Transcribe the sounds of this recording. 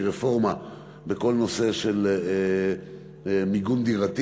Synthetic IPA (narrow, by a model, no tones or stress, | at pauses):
ʁefo̞ʁma | beko̞lno̞se̞ʃel | miɡund̪iʁat̪